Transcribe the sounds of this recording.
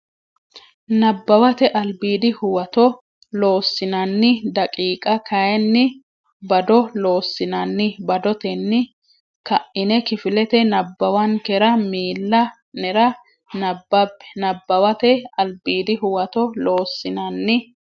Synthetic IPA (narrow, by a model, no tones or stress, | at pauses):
nɐbːɐwɐt̪ɛʔɐlbiːd̪ɪhʊwɐt̪ɔ | lo̞ːsːɪnɐnːɪd̪ɐkʼiːkʼɐkʰɐjɛnːɪ | bɐd̪ɔloːsːɪnɐnːɪbɐd̪ɔt̪ɛnːɪ | kɐʔɪnɛkɪfɪlɛt̪ɛnɐbːɐwɐnkɛɾɐmiːlːɐ | nɛɾɐ | nɐbːɐbːɛ̥nɐbːɐwɐt̪ɛɐlbiːd̪ɪhʊwɐt̪ɔloːsːɪnɐnːɪ